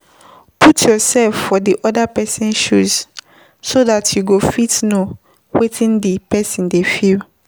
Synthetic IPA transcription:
pʰutʰjɔsɛlfːɔdiʔɔdapɛsɔ̃nʃuz | sodatjuɡofitno | wetʰĩndipɛsɔ̃ndefil

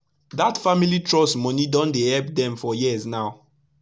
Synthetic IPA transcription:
datfamilitɹɔsmɔnidɔ̃ndehɛlp̚dɛ̃mfɔjiznaʊ

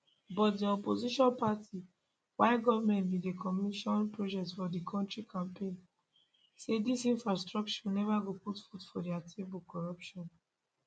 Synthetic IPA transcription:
bɔt̚diɔpoziʃɔ̃npatʰi | waɪɡɔvamɛ̃ntbidekʰɔmiʃɔ̃npɹod͡ʒɛktfɔdikʰɔ̃ntɹikʰãmpʰẽn | sedisĩnfɹastɹɔk̚t͡ʃɔnɛvaɡoputfutfɔdiatʰebɔlkɔɹɔpʃɔ̃n

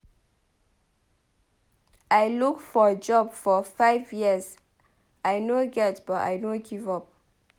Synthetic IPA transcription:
ajlukfɔəd͡ʒɔbfɔfaɪvjiəz | ajnoɡɛtb̥ɔta̰jnoɡivɔp̚

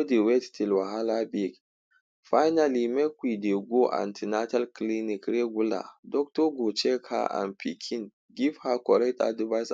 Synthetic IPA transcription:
odewɛttilwaɦalabik | fajnalimɛkʷideɡʷoʔa̰ntʰinatalklinikɾeɡʷula̰dɔk̚toɡot͡ʃekʰa̰ʔa̰npʰikʰin | ɡivhakɔɾɛta̰divajs

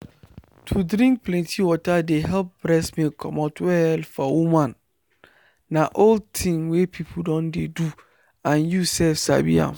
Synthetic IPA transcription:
tʰudɾĩŋk̚pʰlɛ̃ntʰiwɔtʰadeɦɛlp̚b̥ɾɛsmĩkʰɔmatwɛlfɔwumãn | ãʔoldtʰĩŋwepʰipʰudɔ̃ndedu | ãnjusɛfsa̰bḭã̰m

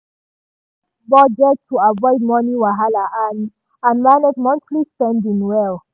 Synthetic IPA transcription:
bɔd͡ʒɛt̚tʰːuavɔɪd̚mɔniwaɦalaʔan | ãnmanədmɔ̃stʰlispɛ̃ndĩnwɛl

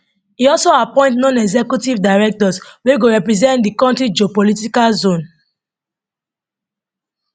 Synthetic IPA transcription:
iɔlsoapɔ̃ɪ̃ntnɔ̃nɛɡzɛkjutivdaɪɹɛk̚tɔsweɡoɹɛpɹizɛ̃ntdikɔ̃ntɹid͡ʒopɔlitikalzõn

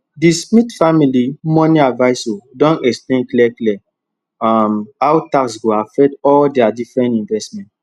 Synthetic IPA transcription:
dismitfamilimɔ̃niavaɪsodɔ̃nɛksplẽnklɛklɛ | amawtaksɡoafɛtɔldɛadifɹɛ̃ntĩnvɛstmɛ̃nt

